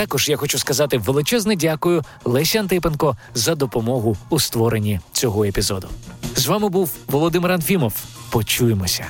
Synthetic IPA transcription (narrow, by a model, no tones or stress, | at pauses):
t̪ɑkɔʒjaxɔt͡ʃuskɐzɑt̪ɪʋelˠɪt͡ʃɛznɛdʲakʊjʊ | lˠɛsʲɐnt̪ɪp̬enkɔzɐd̪ɔpɔmɔɦʊːst̪ʋɔɾenʲːit͡sʲɔɦɔepʲizɔd̪ʊzʋɑmɪbuwʋɔlˠɔd̪ɪmɪɾɐnfʲimɔwpɔt͡ʃujemɔsʲɐ